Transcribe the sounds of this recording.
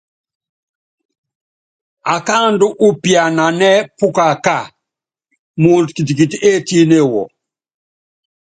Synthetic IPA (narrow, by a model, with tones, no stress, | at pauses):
a˨ka˦ndu˦ʔu˦pja˨na˨nɛ˦pu˦ka˨ka˨ | muː˨ntki˨t̬i˨ki˨ti˨e˦ti˦ne˦wɔ̰˨